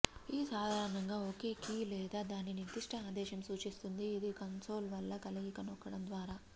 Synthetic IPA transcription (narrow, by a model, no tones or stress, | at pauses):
iisaːd̪ʱaːɾɐɳɐŋɡaːoːke̞ːkiːlɛːd̪aːd̪aːnːinid̪iʂʈʰɐaːd̪ɛːʃɐmsuːt͡ʃist̪und̪iːd̪ikɐnso̞ːlʋɐlːɐkɐliɡikɐnɔkːɐɽɐmd̪ʋaːɾaː